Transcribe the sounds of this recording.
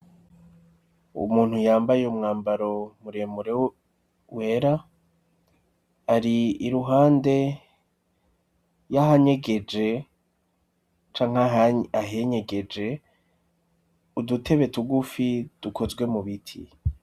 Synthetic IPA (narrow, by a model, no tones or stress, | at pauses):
ṵmuːn̥hujaːmbajeumŋaːmbaɾo̞muɾe̞muɾe | we̞ɾa | ɾiiɾuɦaːnde̞ | jaɦaɲe̞ɡe̞d͡ʒe̞ | t͡ʃaːŋ̥aɦaɦeɲe̞ɡed͡ʒe̞ | udutʰe̞βe̞tuɡufid̥ukʰo̞zɡwe̞muβitʰḭ